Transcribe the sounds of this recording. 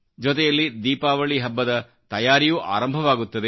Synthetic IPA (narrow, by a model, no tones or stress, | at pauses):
d͡ʒɔt̪ɛjɐlːid̪iːpaːʋɐɭiɦɐbːɐd̪ɐ | t̪ɐjaːɾijuʔa̰ːɾɐmbʱɐʋaːɡut̪ːɐd̪e